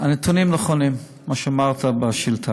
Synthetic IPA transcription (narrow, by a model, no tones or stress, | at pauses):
anet̪unimnaχonimː | aʃeamaʁt̪abaʃilt̪ʰa